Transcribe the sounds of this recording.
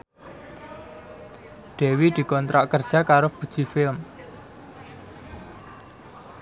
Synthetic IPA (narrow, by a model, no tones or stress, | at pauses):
ɖ̪̥e̤wid̪̥i̤kɔnt̪ɾaʔkərd̥ʒ̥akaɾob̥ṳd̥ʒ̥i̤fɪlm